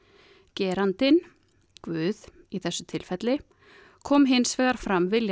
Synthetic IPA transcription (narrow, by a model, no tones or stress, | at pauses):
cɛːɾant̪ɪn | kvʏːð | iθɛsːʏt̪ʰɪlfɛt̪lɪ | kʰɔːmɦɪnsfɛːɣaɾ̥fɾamvɪlj